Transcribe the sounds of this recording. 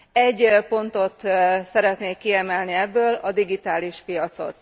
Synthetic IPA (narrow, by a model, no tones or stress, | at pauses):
ɛɟːpo̞nt̪o̞t̪sɛɾɛt̪neːkːiɛmɛlniɛbːøːlɒd̪iɡit̪aːliʃpijɒt̪so̞̰t̪